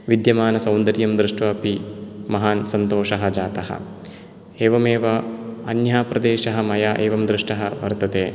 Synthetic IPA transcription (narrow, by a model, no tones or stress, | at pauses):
ʋid̪jɐmaːnɐsɐwnd̪ɐɾjɐmd̪ɾɨʂʈʋɐːpimɐɦaːnsɐnt̪oːʃɐɦɐ̆d͡ʒaːt̪ɐɦɐ̰ | eːʋɐmeːʋɐɐnjaːpɾɐd̪eːʃɐɦɐ̆mɐjaːʔeːʋɐmd̪ɾɨʂʈɐɦɐʋɐ̰ɾt̪ɐt̪eː